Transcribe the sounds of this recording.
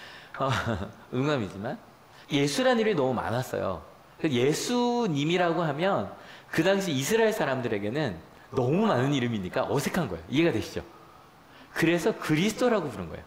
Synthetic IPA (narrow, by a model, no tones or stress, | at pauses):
ʌ | nuŋamid͡ʑiman | je̞sʰuɾaniminʌmuma̰nas͈ʌ̰jo̰ | kɯje̞sʰuɲimiɾaɡohamjʌnkɯdaŋɕ̬ʰiːsʰɯɾaeɭs͈ʰaɾamdɯɾe̞ɡe̞nɯnː | ʌmumanɯniɾɯmiɲik͈a̰ʔʌsʰe̞kʰanɡʌejoʔie̞ɡadwe̞ɕʰid͡ʑo̰ | kɯɾe̞sʰʌkɯɾisʰɯ̥t͈ʰoɾaɡopuɾɯnɡʌḛjo